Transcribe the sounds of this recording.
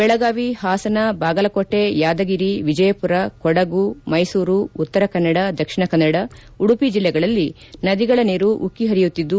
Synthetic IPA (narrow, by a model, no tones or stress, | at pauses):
bɛɭɐɡaːʋihaːsɐnɐbaːɡɐlɐkoʈːe̞jaːd̪ɐɡiɾiʋid͡ʒɐjɐpuɾɐkɔɽɐɡumɐjsuːɾuut̪ːɐɾɐkɐnːɐɽɐd̪ɐkʂiɳɐkɐnːɐɽɐ | uɽupid͡ʒilːɛɡɐɭɐlːi | nɐd̪iɡɐɭɐniːɾuʔukːiɦɐɾijut̪ːid̪ːu